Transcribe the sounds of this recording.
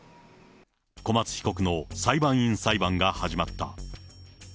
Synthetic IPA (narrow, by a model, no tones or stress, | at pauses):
ko̞mat͡sɨ̥çi̥ko̞kɯ̟no̞saibãɰ̃ĩɰ̃saibãŋɡahaʑimat̪ːa̰